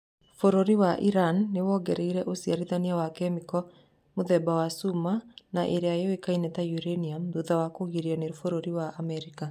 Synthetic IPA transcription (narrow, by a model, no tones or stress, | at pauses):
foɾoɾiwaʔiɾanːewɔɡɛɾeiɾɛʔosiaɾiðaniawakɛmikɔ | moðɛbawasumanaʔeɾeajɔwekainɛtajuɾeniamduðawakoɣiɾianeɾfoɾoɾiwaʔamɛɾika